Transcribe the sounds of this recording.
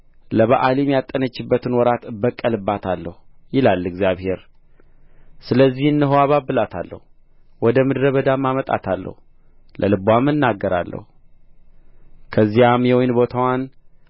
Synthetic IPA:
ləβaʔalimjat̪ʼːənət͡ʃːɨbːət̪ʰɨnwɔɾat̪ɨbəkʼːəlɨbːat̪ʰalːəhujɪlalːɨɡzjaβhe̞ɾ | sɨləzːihɨnːɨɦowaβabːɨlat̪ʰalːə̰hu | wɔd̪əmɨd̪ɾəβəd̪amːamət̪ʼa̰t̪ʰalːə̰hu | lʔəlɨbʷamːɨnːaɡːəɾa̰lːə̰hu | kʰəzːijamjɛwɔjnbo̞t̪ʰawan

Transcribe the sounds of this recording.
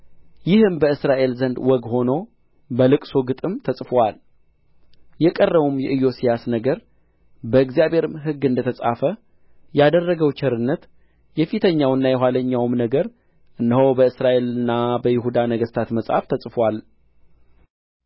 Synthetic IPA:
jɪhɨmbəɨsɾaʔe̞lzənd̪wɔɡho̞no̞ | bəlɨkʼsoɡɨt̪ʼɨmt̪ʰəsʼfwal | jɛkʼərːəβumjɛʔɨjo̞sijasnəɡəɾ | bəɨɡzijaβhe̞ɾɨmɦɨɡːɨnd̪ət̪ʰəsʼa̰fə | jad̪ərːəɡəwt͡ʃɛɾɨnːət̪ | jɛfit̪ʰəɲːawɨnːajɛɦʷwaləɲːawmnəɡəɾ | ʔɨnːəhowbəɨsɾaʔe̞lɨnːabəjɪɦud̪anəɡəst̪ʰat̪məsʼha̰ft̪ʰəsʼfwal

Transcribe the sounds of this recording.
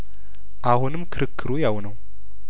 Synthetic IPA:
ʔahʊnɨmkʰɨɾɨkʰːɨɾujawnəw

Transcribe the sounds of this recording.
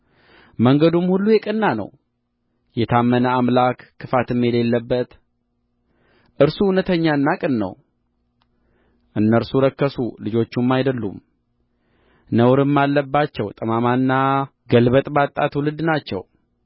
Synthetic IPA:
məŋɡəd̪umhulːujɛkʼɨnːanə̰w | jɛt̪ʰamːənəamlakːɨfat̪ɨmːjɛle̞lːəbːət̪ | ʔɨɾsunət̪ʰəɲːaɨnːakʼɨnːə̰w | ʔɨnːəɾsuɾəkːəsulɨd͡ʒo̞t͡ʃːumːajd̪əlːṵm | nəwɾɨmːalːəbːat͡ʃːɛwt̪ʼəmamanːa | ɡəlbət̪ʼbat̪ʼːa̰t̪wulɨd̪nat͡ʃːɛ̰w

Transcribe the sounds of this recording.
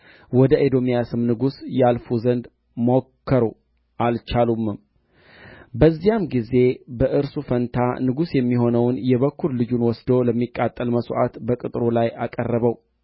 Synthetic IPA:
wɔd̪əʔed̪o̞mijasɨmnɨɡusjalfuzənd̪ | mokʰːəɾo | ʔalt͡ʃalumːɨm | bəzːijamɡize̞bəʔɨɾsufənt̪ʰanɨɡusjɛmːiɦo̞nəwnjɛβəkʰːuɾlɨd͡ʒunwɔsd̪o̞ləmːikʼːat̪ʼːəlməsʔa̰t̪bəkʼɨt̪ʼɾolajʔakʼərːəβəw

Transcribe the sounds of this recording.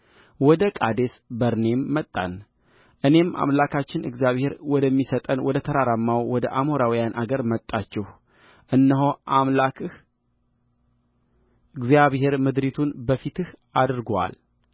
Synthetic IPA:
wɔd̪əkʼad̪e̞sbəɾne̞mːət̪ʼːa̰n | ʔɨne̞mʔa̰mlakʰat͡ʃːɪnɨ̰ɡzijaβhe̞ɾwɔd̪əmːisət̪ʼənwɔd̪ət̪ʰəɾaɾamːawwɔd̪əʔamoɾawijanʔaɡəɾmət̪ʼːat͡ʃːɛh | ʔɨnːəɦoʔamlakɨh | ɨɡzjaβhe̞ɾmɨd̪ɾit̪ʰunbəfit̪ʰɨhad̪ɾɡwa̰l

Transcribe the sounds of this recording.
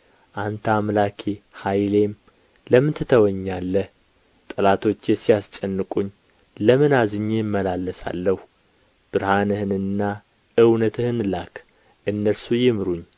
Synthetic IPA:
ʔant̪ʰamlakʰehajle̞m | ləmɨnt̪ʰɨt̪ʰəwəɲːalːəh | t̪ʼəlat̪ʰo̞t͡ʃːjɛsijast͡ʃʼɛnːɨkʼuɲː | ləmɨnazɨɲːejmːəlalːəsa̰lːəhu | b̥ɨɾhanɨhɨnɨnːa | ʔɨwnət̪ʰɨhɨnlak | ʔɨnːəlsujɪmɾuɲː

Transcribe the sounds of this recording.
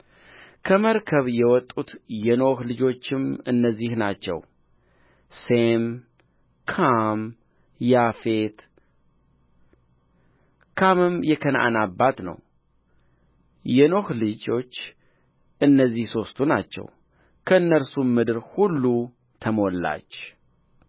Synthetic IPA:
kʰəməɾkʰəβjɛwɔt̪ʼːut̪jɛno̞hlɨd͡ʒo̞t͡ʃːɪmɨnːəzːihnat͡ʃːɛ̰w | sem | kʰam | jafe̞t̪ | kʰamɨmjɛkʰənʔa̰nabːat̪nə̰w | jɛno̞hlɨd͡ʒo̞t͡ʃː | ʔɨnːəzːihso̞st̪ʰunat͡ʃːɛ̰w | kʰəɨnːəɾsummːɨd̪ɨɾhulːu | t̪ʰəmo̞lːa̰t͡ʃː

